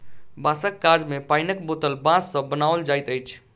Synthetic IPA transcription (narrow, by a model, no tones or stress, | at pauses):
basəkːaɾd͡ʒmepaɪnəkbot̪əlbãsːə̃bənaʋəld͡ʒajt̪əjt͡ʃʰ